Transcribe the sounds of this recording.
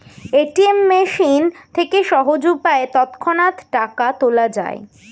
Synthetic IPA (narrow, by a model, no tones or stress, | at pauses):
eʈiemːeʃint̪ʰekeʃɔɦod͡ʑupaet̪ɔt̪kʰonat̪ʈakat̪olad͡ʑa̰ḛ